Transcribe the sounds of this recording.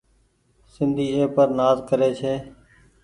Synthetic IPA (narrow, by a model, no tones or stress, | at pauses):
sɪnd̪ʱiːeːpəɾnaːzkəɾeːt͡ʃʰeː